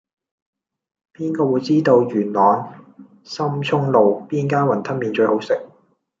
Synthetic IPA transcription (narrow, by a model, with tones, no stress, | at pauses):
piː˥nkɔː˧wu˨˧jt͡siː˥t̪o˧wjyː˨˩nlɔː˨˧n | sɐ˥mt͡ʃʰʊ˥ŋlo˨wpiː˥nkaː˥wɐ˨˩nt̪ʰɐ˥n̚miː˨nt͡ʃɵ˧ho˨˥wsɪ˨k̚